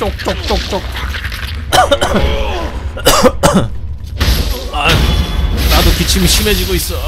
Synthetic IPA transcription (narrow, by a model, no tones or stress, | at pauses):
t͡ɕok̚t͡ɕ͈ok̚t͡ɕ͈ok̚t͡ɕ͈ok̚ | a | nad̪okit͡ɕʰimiɕʰimed͡ʑiɡois͈ʌ